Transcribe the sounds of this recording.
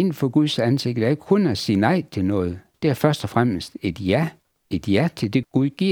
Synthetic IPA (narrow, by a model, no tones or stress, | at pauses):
en̰fɒ̽ɡ̥uðˠsænse̝ɡ̥d̥ð̩ˠæɐeɡ̥ə̥kʰɔnæsiːnɑ̈ɪ̰t͡sʰe̝lnɔ̽ːð̞̩ˠd̥e̝æɐfɶɐsd̥ɒ̽fʁam̰əsd̥e̝d̥jæ | e̝d̥jæɐt͡sʰe̝ld̥e̝ɡ̥uðˠɡ̥iɐ̰